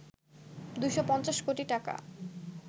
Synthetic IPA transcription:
d̪ujʃopɔnt͡ɕaʃkoʈiʈaka̰

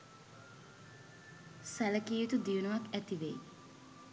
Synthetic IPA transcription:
sæləkiːet̪ud̪ijunuʋakæt̪iʋej

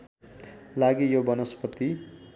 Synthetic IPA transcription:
laɡijobʌnʌspʌt̪i

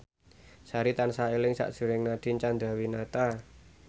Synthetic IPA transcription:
saɾit̪ansaelɪŋsa̰ʔdʒ̥ṳɾɪŋnad̪̥i̤nt͡ʃand̪ɾa̤winat̪a

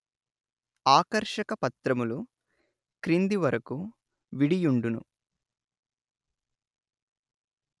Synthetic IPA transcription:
aːkɐɾʂɐkɐpɐt̪ɾɐmulu | kɾind̪iʋɐɾɐku | ʋiɽijuɳɖunṵ

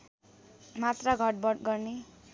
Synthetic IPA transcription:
mat̪raɡʱʌʈ̚bʌʈɡʌrne

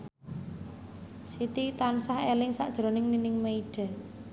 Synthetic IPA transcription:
sit̪it̪ansahelɪŋsa̰ʔd̥ʒ̥ɾo̤nɪŋninɪŋmeiɖ̥a̤

